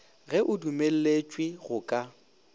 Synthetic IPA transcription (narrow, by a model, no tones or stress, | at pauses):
ɣɛʔʊdumel̩let͡ʃʼwɪɣʊkʼa